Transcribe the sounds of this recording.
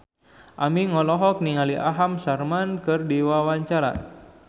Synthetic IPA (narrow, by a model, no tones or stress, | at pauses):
ʔamiŋɔlɔɦɔk̚niŋaliʔa̰ɦamsarmankɨrdiwawaɲt͡ʃaɾa̰